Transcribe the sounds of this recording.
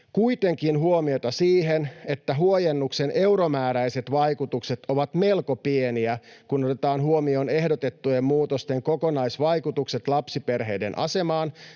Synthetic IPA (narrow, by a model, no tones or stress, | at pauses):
kuit̪eŋkinɦuomiot̪ɑsiːɦenet̪ːæɦuojenːuksenʔe̞uɾomæːɾæiset̪ʋɑikut̪ukset̪oʋɑt̪me̞lkopieniækunot̪et̪ɑːnɦuomio̞ne̞hdot̪et̪ːujemmuːt̪ost̪eŋkokonɑjsʋɑjkut̪ukset̪lɑpsiperɦejde̞̰nʔɑ̰se̞mɑːn